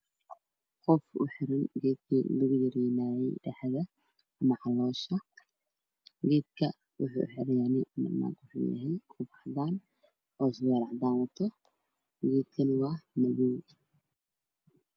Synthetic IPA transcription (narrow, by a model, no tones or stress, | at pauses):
qɔfʊ̰ħɪɾɪŋɡɛːd̪̚kʰḭːlɐɣʊjɐɾɛːnaːjɛjɖɐħaɣɐ | ɐmɐʕɑlɔːʃɐ | ɡɛːd̪̚kʰɐ | wʔʊ̰ħṵːʊ̰ħɪɾɪjanɪmɐ̰d̪na̰ːk̪wʊħṵjɐ̰ɦɛjkʰʊbɑħd̪aːn | ʔɔːswɛɾɑʕd̪aːnwɔt̪ʰːɔ | ɡɛːd̪kʰɐnɪwɑːmɐβuw